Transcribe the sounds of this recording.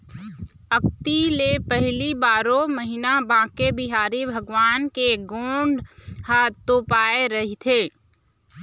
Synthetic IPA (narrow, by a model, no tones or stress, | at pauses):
ək̚t̪ilepəɦlibaːɾõməɦinabãːkebɪɦaːɾibʱɐɡʋaːnkeɡoːɳɖhat̪oːpaːeɾɐɦit̪ʰeː